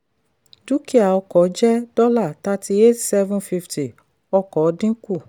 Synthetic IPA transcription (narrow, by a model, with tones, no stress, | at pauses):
d͡ʒu˦ki˦a˨ɔ˧kɔ˨˦d͡ʒɛ˦dɔ˦la˦˨ta˦ti˧e˦tsɛ˦vũ˦nfi˧fti˨ | ɔ˧kɔ˨˦dĩ˦ku˦˨